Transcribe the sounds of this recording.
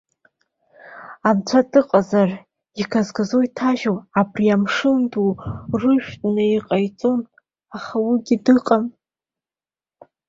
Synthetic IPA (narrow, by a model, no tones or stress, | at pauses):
amt͡ʃʷʰadɨqʼazar | ikʰazɡazo̞jtʰaʒoabriamʂɨndurɨʃᶣtʼnaiqʼajt͡sʼo̞n | aχawiɡʲidɨqʼam